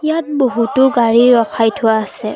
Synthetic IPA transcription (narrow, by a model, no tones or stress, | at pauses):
ijat̚boɦutʊɡaɹiɹɔkʰajtʰʊaːsɛ